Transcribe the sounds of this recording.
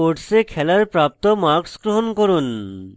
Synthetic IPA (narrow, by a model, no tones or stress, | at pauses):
oɾʈsekʰɛlaɾpɾap̚t̪omaɾksɡɾoɦonkoɾun